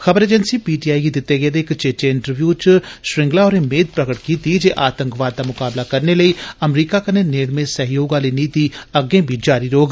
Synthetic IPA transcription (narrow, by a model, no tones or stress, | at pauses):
xəbəɾeːd͡ʒənsiːpiːʈiːaːiɡid̪ɪt̪ːeɡeːd̪eɪkt͡ʃet͡ʃeɪ̃ɳʈəɾʋjuːt͡ʃʃɾɪ̃ŋɡlaːɔːɾemeːd̪̚pɾəɡəʈkiːt̪id͡ʒeːʔaːt̪ə̃ŋkʋaːd̪̚ːaːmʊkaːblakəɾneləiːəmɾiːkaːkəneːneːɽmẽsəɦjoːɡãːləiːniːt̪iəɡẽːbʱid͡ʒaːɾiːɾoːɡ